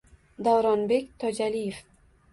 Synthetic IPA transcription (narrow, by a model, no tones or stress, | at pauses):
d̪awɾɒnbe̞kʲt̪ʰɒd͡ʒalijef